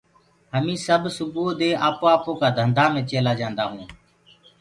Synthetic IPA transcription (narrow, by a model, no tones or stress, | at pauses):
ɦəmĩːsəbʱsʊbuːd̪eːʔaːpoːaːpoːkaːd̪ʱənd̪ʱaːmẽːt͡ʃeːlaːd͡ʒãːnd̪aːɦũː